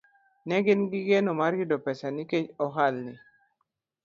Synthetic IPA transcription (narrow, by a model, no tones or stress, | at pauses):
nɛɡɪnɡiɡenɔmaɾɡidɔpɛsaniket͡ʃɔɦalni